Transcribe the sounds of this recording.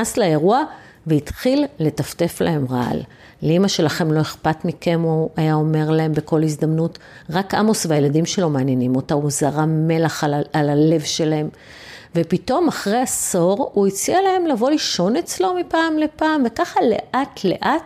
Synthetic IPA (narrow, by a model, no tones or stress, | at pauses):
aslaeʁua | veitχilːe̞tafte̞fla̰he̞mʁaa̰lː | imaʃe̞laχe̞mlo̞e̞χpatmikemoajao̞me̞ʁlae̞mbeko̞lhizd̪amnut | ʁakʔamosveajeladimʃe̞lo̞maːnjenimo̞tauzaʁame̞laχalale̞vʃe̞lae̞m | ve̞pito̞maχʁejaso̞ʁuit͡sialae̞mlavo̞liʃo̞ne̞t͡slo̞mipaːmle̞paːmve̞kaχale̞̰ʔatʰle̞̰ʔat̚